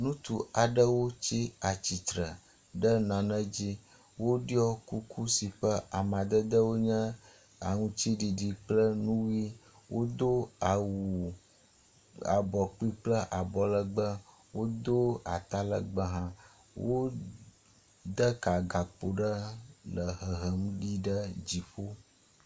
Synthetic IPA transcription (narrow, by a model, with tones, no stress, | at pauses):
nũ˦t̪u˨a˨ɖə˦wo˦t͡ɕi˦a˨t͡ɕi˨t̪ɾə̰˨ | ɖə˦nã˨nə̃˦d͡ʑi˦ | wo˦ɖi˦ɔ˦ku˦kʰu˦si˨ɸə˦a˨mã˨d̪ə˦d̪ə˦wo˦ɲɛ̃˦ | a̰˨ŋũ˦t͡ɕi˦ɖi˨ɖi˨k͡plə˦nũ˦wi˦ | wʔo˦d̪o˦˨wu˨ | a̰˨bɔ˨k͡pi˦k͡plə˦ʔa˨bɔ˨lə˨ɡ͡bə˦ | wo˦d̪o˦a̰˨t̪a˦lə̰˨ɡ͡bə˦ɦã˦ | wʔo˦ | d̪ə˦ka˨ɡa˨k͡po˨ɖə˦lə˨ɦə˨ɦə˨m˦ɖi˦ɖə˦d͡ʑi˨ɸo˦